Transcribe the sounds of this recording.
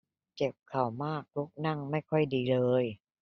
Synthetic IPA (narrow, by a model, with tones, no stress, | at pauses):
t͡ɕe˨˩p̚kʰa˨˩wmaː˥˩k̚lu˦˥k̚na˥˩ŋma˥˩jkʰɔ˥˩jdiː˧lɤː˧j